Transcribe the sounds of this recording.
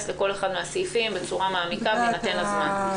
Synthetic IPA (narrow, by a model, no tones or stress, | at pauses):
sle̞ko̞le̞χad̪measifimbet͡suʁamaːmikavenat̪e̞nazman